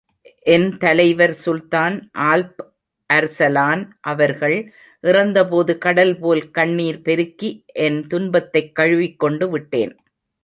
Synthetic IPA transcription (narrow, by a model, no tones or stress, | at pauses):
ʔɛnt̪ɐlɐɪʋɐɾsʊlt̪aːnʔaːlp | ʔɐɾsɐlaːnʔɐʋɐɾɣɐɭ | ʔɪrɐnd̪ɐpoːðɯkɐɽɐlpoːlkɐɳːiːɾpɛɾɯkːiʔɛnt̪ʊnbɐt̪ːɐɪkːɐɻɯʋɪkːɔɳɖɯʋɪʈːḛːn